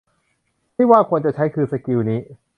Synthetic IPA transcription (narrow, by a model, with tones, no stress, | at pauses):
t̪ʰiː˥˩waː˥˩kʰu˧ənt͡ɕa˨˩t͡ɕʰa˦˥jkʰɯː˧nsa˧ki˧wniː˦˥